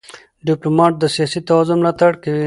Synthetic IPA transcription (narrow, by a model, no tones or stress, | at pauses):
ɖɪplomɑʈ̚d̪əsijɑsit̪aɑzʊmlɑːt̪aɽkawi